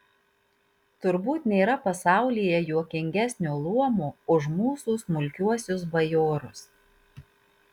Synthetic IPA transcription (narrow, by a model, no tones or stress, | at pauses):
t̪ʊɾbuːt̪nʲeːɾɐpɐsɑˑʊlʲijɛjuɔkʲɪŋʲɡʲæsʲnʲuːlˠuɔmuːʊʃmuːsuːsmʊlʲkʲuɔsʲʊs̬bɐjoːɾʊs